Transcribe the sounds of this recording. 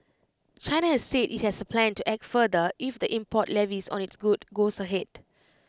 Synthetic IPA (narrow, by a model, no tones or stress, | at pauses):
t͡ʃaɪnahɛsːedḭt̚hɛsəpʰlɛ̃ntuʔɛk̚tfədəʔifdəʔĩmpʰɔtlɛvisɔ̰̃nitsɡudɡosəɦɛd̥̚